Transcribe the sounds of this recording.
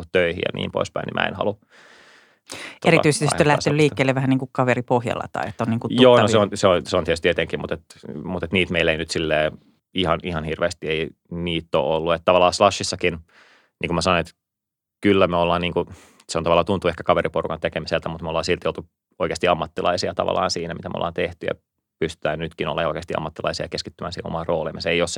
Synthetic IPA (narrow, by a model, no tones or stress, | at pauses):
t̪t̪øihḭjɑ̰nḭːmpo̰ispæinḭmʔæ̰ḛnhɑ̰lu | t̪oeriɑt̪yise̥t̪ssolæhst̪enyliːkːeːleʋæhæniːŋkukkɑʋeripohjɑ̰lːɑ̰t̪ɑ̰iḛt̪ːoniːŋkuj̪oːnoseonseonseoniet̪st̪iet̪eŋkimut̪et̪mut̪et̪niːt̪meilːeinyt̪silːeː | ihɑnihɑnhirʋeːst̪iei | niːt̪ːo̰ːolːuet̪t̪ɑʋɑlːˑɑːslɑʃːisːɑkin | nʔiːŋkumæsɑnonet̪ | kylːæmeolːɑːnniːŋku | seont̪ɑʋɑlːɑːt̪unt̪uehkækɑʋeɾiporukɑnt̪ekemiselt̪æmut̪meolːɑːnsilt̪ijolt̪u | oikeːst̪iɑmːɑt̪ːilɑ̰isiɑt̪ɑ̰ʋɑ̰lːˑɑ̰ːnsiːnæmit̪æmeo̰lːɑ̰ːnt̪eht̪yjɑ̰ | pyst̪y̥t̪æːnnyt̪kino̰lːɑ̰jo̰ˑikeːst̪iɑ̰mːɑt̪ːilɑ̰isiɑjkeskit̪ːymæːnsiːhẽo̰mɑroːlḭmeseeijose